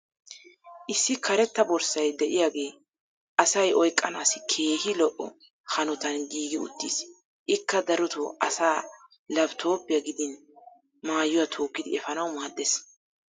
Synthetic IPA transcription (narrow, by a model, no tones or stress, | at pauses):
ʔɪsːɪkʰɐɾɛt̪ːɐbɔɾsɐjd̪ɛʔɪjaːɡe̞ː | ʔɐsɐjɔjkʼːɐnaːsɪkʰe̞ːhɪlɔʔɔ̰ | hɐnɔt̪ɐnɡiːɡɪʊ̰t̪ːiːs | ʔɪkːɐd̪ɐɾɔt̪ʊʔɐsaː | lɐbt̪ʰo̞ːpɪjɐɡɪd̪ɪn | maːjːʊwat̪ʰo̞ːkːɪd̪ɪɛfɐnɐwmaːd̪ːes